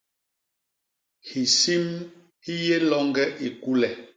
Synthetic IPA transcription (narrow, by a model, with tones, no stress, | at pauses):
hi˨si˦m | hi˦je˦lɔ˦ŋɡɛ˦ʔi˨ku˦lɛ˨